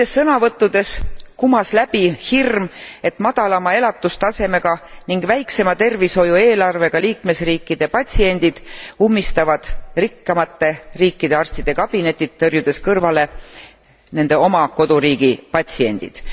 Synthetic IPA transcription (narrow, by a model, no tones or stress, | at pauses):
esːɤnɑvɤt̪ːˑud̪̥e̞skumɑslæb̥ihirme̞t̪mɑd̪̥ɑlɑmɑe̞lɑt̪ːˑust̪ɑse̞me̞ɡ̥ɑniŋɡ̥væjkse̞mɑt̪e̞rviso̞jue̞ːlɑrve̞ɡ̥ɑliːkme̞sriːkːid̪̥e̞pɑt̪ʲsie̞nʲd̪̥id̪̥umːist̪ɑvɑd̪̥rikːɑmɑt̪ːe̞riːkːid̪̥e̞ɑrst̪id̪̥e̞kɑb̥ine̞t̪ʲːˑit̪t̪ːɤrjud̪̥e̞skɤrvɑle̞ | ne̞nd̪e̞o̞mɑko̞d̪̥uɾiːɡ̥ipɑt̪ʲsie̞̰nd̪̥ḭd̪̥